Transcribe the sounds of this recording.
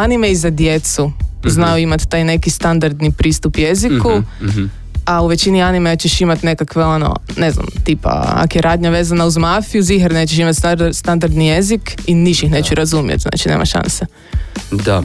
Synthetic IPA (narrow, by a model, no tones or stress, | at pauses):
animeizad̪je̞t̪suznajuimat̪ːajne̞kist̪and̪aɾd̪nipɾiːst̪upje̞ziku | auʋe̞t͡ɕinianimet͡ɕeʃimat̪ne̞kakʋeo̞no̰ne̞zna̰mt̪iːpa̰a̰kjeɾʔaːd̪ɲaʋe̞ːzanauzmafiuziɦaɾnet͡ɕeʃ̬imat̪st̪and̪aɾd̪nije̞zikiniʃixne̞t͡ɕuɾazumjet̪zna̰ːt͡ʃinḛːma̰ʃa̰nse | d̪a